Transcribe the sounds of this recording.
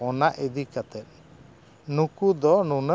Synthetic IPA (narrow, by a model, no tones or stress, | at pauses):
ɔnaʔed̪ikat̪ɛt̪̚ | nukud̪ɔnunə